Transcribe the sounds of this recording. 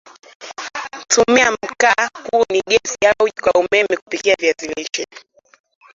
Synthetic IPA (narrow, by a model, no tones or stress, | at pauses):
tumiam̩kahuːniɠɛsiaukwaumɛmɛku̥pikiavjaziliʃɛ